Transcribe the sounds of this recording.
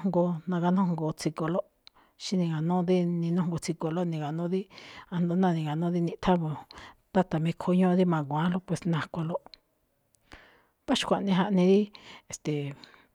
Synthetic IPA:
ŋɡo˧nã˧ɣa˧nũ˦ŋɡo˧˨t͡si˧ko˧lo˦ | ʃi˦nĩ˧ɡa˨nũ˦˧d̪i˦nĩ˧nũ˦˧ŋ˦ɡo˧t͡si˧ko˧lo˦nĩ˧ɣa˨nũ˦ði˦a˧nd̪o˧˦nã˦˧˨nĩ˧˨ɡa˨nũ˦ði˦nĩ˧ʔt̪ʰa˦βo˧t̪a˦t̪a˨mĩ˧kʰo˧˦ɲõ˦˧d̪i˦mã˨˧ɡʷã˨˦lo˦pwe˨snã˧˨kʷa˧lo˦ | βa˦ʃu̥˧kʷa˨ʔnĩ˧ɦa˧ʔnĩ˧ði˦e˨st̪e˨

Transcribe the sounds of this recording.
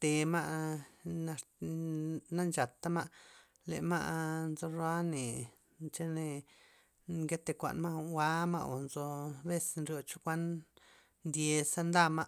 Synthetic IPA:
t̪e˧ma˦ʔ | na˧ | na˦nt͡ʃa˨t̪ːa˦ma˦ | lḛ˨ʔma̰˦ʔnzo˧ɾa˦ne˨ | t͡ʃe˦ne˧ | ɡe˦t̪e˧˨kʷa̰˨nma˦ʔwa˦ma̰˦ʔo˨nzo˧be˦snɾjo˧t͡ʃo˦kʷa˦n | nd̪ʲje˧sa˦nd̪a˦ma˦

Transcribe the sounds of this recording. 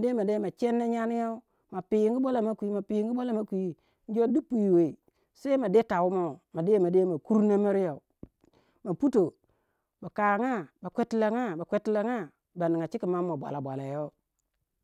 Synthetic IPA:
de˦ma˨de˦ma˨t͡ʃe˦nːe˦ɲa˦ni˦ja˦u˦ | ma˨pi˨jŋɡi˦ba˦la˨ma˦kʷi˨˦ma˨pi˨˦ŋɡi˦bʷa˦la˦ma˨kʷi˦ | n̩˦d͡ʒo˦di˦pːu˨ji˨we˨ | sa˦i˦ma˨de˦ta˨wu˦mo˦˨ma˨de˦ma˨de˦ma˨ku˦ɾna˦mi˦ɾi˦ja˨u˨ | ma˨pu˦to˨ | ba˨ka˨ŋa˦ba˨kʷe˦ti˦la˨ŋa˦ba˨kʷe˦ti˦la˨ŋa˦ | ba˨ni˨ŋa˨t͡ʃi˦ki˨ma˦mːo˨bʷa̰˨la˨bʷa˨la˨jo˦

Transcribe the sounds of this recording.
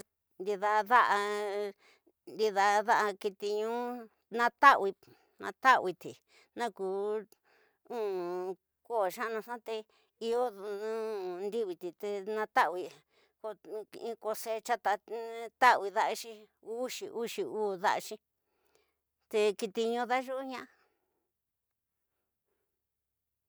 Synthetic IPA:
nd̪i˧ða˧ða˦ʔa˧ | nd̪i˧ða˧ða˦ʔa˧ki˧t̪i˧ɲũː˦ | nã˦t̪a˦ʔwi˧ | nã̰˧t̪a˦˧wi˧t̪i˨ | nã˦kuː˨˦ | ũ˦ | ko˦˨ʃã˦˧nã˧ʂã˦t̪e˧ | i˧o˦ũ˦˧nd̪i˦βi˧t̪i˨t̪e˧nã˧t̪a˦ʔwi˧ | ko˧ĩ˧ko˧se˧˦t͡ʃa˦t̪a˧t̪a˦˧wi˧ða˧ʔa˦˧ʃĩ˧ | u˦ʃḭ˨˧ʔu˦ʃi˧uː˦ða̰˦ʔa˧ʃĩ˧ | t̪e˧ki˧t̪i˧ɲõ˧ða˦ʒu˦ɲã˦ʔa˧

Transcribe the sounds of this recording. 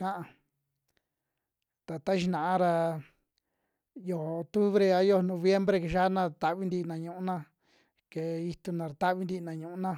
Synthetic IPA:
kã˦ʔa˧ | t̪a˨t̪a˦ʃi˧nã˨a˧ɾa˧ | jo˨o˨t̪u˦βɾe˧a˧jo˦˧˨nõ˧βje˦mbɾe˧ke˧ʃa˦nã˦˧˨t̪a˧˨βi˦nd̪i˧nã˨ɲũ˨ũ˦nã˦˧ | ke˨i˧t̪u˧nã˧ɾa˨t̪a˦βi˧nd̪i˧nã˨ɲũ˨ũ˦nã˦

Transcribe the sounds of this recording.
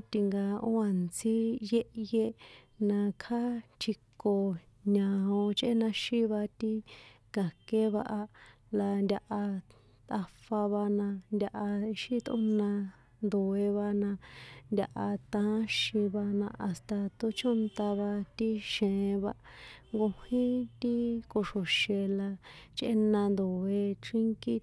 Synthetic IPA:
t̪i˧ŋɡa˧o˦a˨nt͡si˦je˦ʔje˦ | nã˧kʰa˦t͡ʃʰi˧ko˨ | ɲã˧˨ɦõ˧t͡ʃʔe˦nã˧ʃĩ˦βa˧t̪i˦ | ɡa˨ke˦βa̰˧ʔa˧ | la˧ndʲa˧ʔa˧ | t̪a˧fa˧βa˧nã˧nd̪ʲa˧ʔa˧i˧ʃi˦t̪ʔṵ̃˦nã˧ | nd̪o˨e˧βa˧nã˧nd̪ʲa˧ʔa˧t̪ã˧˦ʃĩ˧βa˧nã˧ʔa˧st̪a˧t̪u˧t͡ʃõ˦nt̪a˧βa˧t̪i˦ʃẽ˨˧βa˧ʔŋɡo˧hĩ˦t̪i˦ko˧ʂo˨ʃe˧la˧t͡ʃʔḛ˦nã˧nd̪o˨e˧ʈ͡ʂi˦ŋki˦

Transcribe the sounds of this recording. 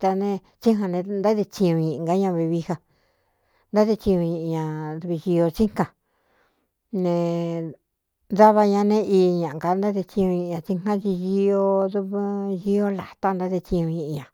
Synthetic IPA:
t̪a˧nẽ˧ | t͡ʃi˦ɦã˧nẽ˧nd̪a˦ðe˧t͡ʃĩ˧ɲũ˧ɲĩ˨ʔɡa˦ɲã˧βi˧βi˧ha˧ | nd̪a˦ðe˧t͡ʃĩ˧ɲũ˧ɲĩ˧ʔi˧ɲã˨ðu˧βi˧ʒi˧o˧t͡ʃi̥˦kã˧˨ | nẽ˧ | ða˦βa˧ɲã˧nẽ˦ʔi˧ɲã˨˧ka˧nd̪a˦ðe˧t͡ʃĩ˧ɲũ˧ɲĩ˧˨ɲã˧t͡ʃi˦ŋã˦t͡ʃi˧ji˧˦o˧ðu˧βji˦o˦la˨t̪a˦nd̪a˦ðe˧t͡ʃĩ˧ɲũ˧ɲĩ˧˨ʔĩ˧ɲã˨

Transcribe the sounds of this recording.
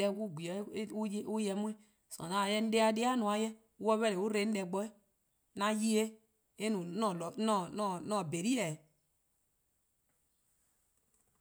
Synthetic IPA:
ɛ˦wu˦˨ɡʷi˨˦u˦jɛ˨mu˦e˦ | so̰˨na˦˨jɛ˦n̩˦de˦a˦de˦a˦nu˨a˨jɛ˦ | u˦ɔ˦βɛ˦le˨wu˦ɾe˨˦n̩˦dɛ˨ɡ͡bɔ˦e˦ | na˦ji˦e˦ | e˦nu˨n˦˨n˦n˦nɔ˦˨be˨ɾi˦ɛ˨

